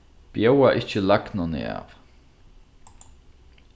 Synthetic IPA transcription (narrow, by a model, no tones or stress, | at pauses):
b̥jɛwaʔɪçt͡ʃəlaknʊnɪ̰a̰ːv